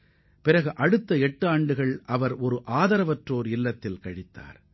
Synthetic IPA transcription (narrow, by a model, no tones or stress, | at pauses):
pɪɾɐɣɯʔɐɽɯt̪ːɐɛʈːɯaːɳɖɯɣɐɭʔɐʋɐɾɔɾɯʔaːðɐɾɐʋɐʈroːɾɪlːɐt̪ːɪlkɐɻɪt̪ːa̰ːɾ